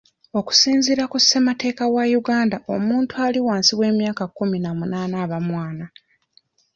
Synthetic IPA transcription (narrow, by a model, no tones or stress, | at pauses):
o̞ku̥siːnziɾakussemate̞ːkawajuɡaːndaʔo̞muːntualiwaːnsiβwe̞ːmjaːkakːuminamunaːnaːβamwaːna